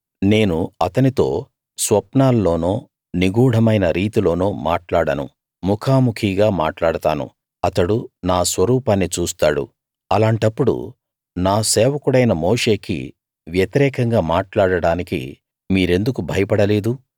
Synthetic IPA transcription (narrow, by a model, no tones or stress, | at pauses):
ne̞ːnuɐt̪ɐnit̪o̞̰ː | sʋɐpnaːlːo̞ːnoː | niɡuːɽ̤ʱɐmɐjnɐɾiːt̪ilo̞ːnoːma̰ːʈlaːɽɐnṵ | mukʰaːmukʰiɡaːma̰ːʈlaːɽɐt̪a̰ːnṵ | ɐt̪ɐɽunaːsʋɐɾuːpaːnːit͡ʃuːst̪aːɽṵ | ɐlaːɳʈɐpːuɽṵ | naːsɛːʋɐkuɽɐjnɐmoːʂe̞ːkḭ | ʋjɐt̪iɾɛːkɐŋɡaːmaːʈlaːɽɐɽaːnikḭ | miːɾe̞nd̪ukubʱɐjɐpɐɽɐle̞ːd̪u